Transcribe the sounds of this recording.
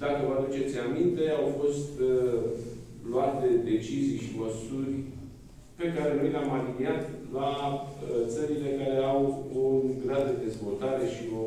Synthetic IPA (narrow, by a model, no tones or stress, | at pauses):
d̪akəvəad̪ut͡ʃe̞t̪sʲamint̪e̞awfo̞st̪ | luat̪e̞d̪e̞t͡ʃizijʃiməsurʲ | pe̞kaɾe̞no̞jleamaliniat̪la | t̪səɾile̞kaɾe̞awoɡɾad̪d̪ed̪e̞zvo̞lt̪aɾe̞ʃio̞